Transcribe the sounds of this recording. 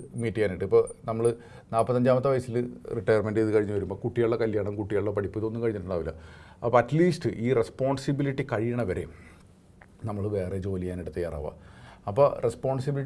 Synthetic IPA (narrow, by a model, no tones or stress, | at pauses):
miːtːiŋaːniʈːɨipːoːnɐmːɐɭɨ | naːpːɐt̪ːɐɲd͡ʑaːmɐt̪ːɐʋɐjɐsilriʈːɐjɐrmenɖɨeiðɨkɐɻiɲːuʋɐɾumbo̞ːkuʈːijɐɭːɐkɐljaːɳɐmkuʈːijaɭːɐpɐɽipːɨt̪o̞nːɨkɐɻiɲːɐʈːuɳaːʋilːɐ̰ | ɐpːoɐtliːsʈɨʔiːrespo̞ːɳsibiliʈːikɐɻijɐɳɐʋɐɾe̞̰ | nɐmːɐɭʋe̞ːred͡ʑo̞ːlijaːniɽɨt̪ːɐjaːra̰ːʋa̰ɐpːorespoːnsibili